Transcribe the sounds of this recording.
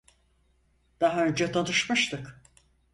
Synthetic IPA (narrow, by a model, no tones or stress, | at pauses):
d̪̥aɦaø̞nd͡ʒɛt̪ʰanɯʃmɯʃt̪ʰɯk